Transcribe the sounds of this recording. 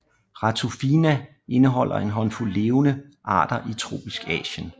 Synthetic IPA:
ʁɑ̈t͡sʰufinæ | e̝nəɦɒ̽l̰ɐ̰e̝nɦɒ̽nfulːe̝ːʊnəʔɑ̰̈ːd̥ɐʔit͡sʰʁo̝̰ːb̥isɡ̥ɛ̰ːɕən

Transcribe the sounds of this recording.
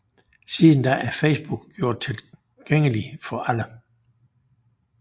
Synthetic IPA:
siðˠn̩d̥ɑ̈ʔæɐfeɪsb̥uɡ̥ɡ̥jo̝ɐ̰d̥̚t͡sʰe̝l | ɡ̥eŋ̰əlifɒ̽ʔælə

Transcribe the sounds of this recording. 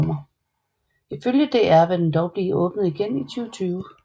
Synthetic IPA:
mɐ | iføljəd̥e̝æɐʋed̥end̥ɒʊb̥liːʔɔ̽ːb̥nəð̩ˠiɡ̥enit͡sʰyːʊt͡sʰyːʊə

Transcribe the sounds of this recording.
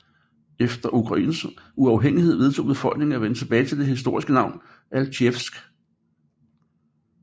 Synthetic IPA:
efd̥ɐʔukʰʁɑ̈ḭːnsuɑ̈ʊɦeŋ̰ihe̝ð̞̰ˠʋe̝ðˠt͡sʰo̝̰ːb̥e̝fɒ̽l̰ɡ̥ne̝ŋ̩æʋenət͡sʰe̝b̥ɛːɪt͡sʰe̝ld̥e̝ɦisd̥o̝ɐ̰isɡ̥ənɑ̈ʊ̰n | ælɕʰefsɡ̥

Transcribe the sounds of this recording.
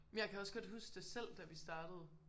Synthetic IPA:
memjɑ̈ɪkʰæɒ̽sɡ̥ɒ̽d̥ɦusɡ̥d̥e̝sel̰d̥æʋisd̥ɑ̈ːɾ̥əð̞̩ˠ

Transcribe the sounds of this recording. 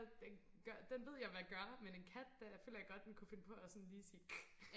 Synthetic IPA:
d̥en | ɡ̥ɶd̥enʋe̝ð̰ˠjɑ̈ɪʋæɡ̥ɶɐmene̝nkʰæd̥d̥æfø̰ːlɐjɑ̈ɪɡ̥ɒ̽d̥̚d̥enkʰufe̝nəpʰɒ̽æsɔ̽nliːsi̥ː

